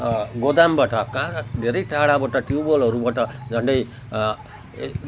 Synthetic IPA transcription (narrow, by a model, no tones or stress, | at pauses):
ɡod̪ambaʈʌkad̪ʱeɾʌjʈaɽabaʈʌʈjubʌlʌɾubaʈʌd͡zʱʌɳɖʌj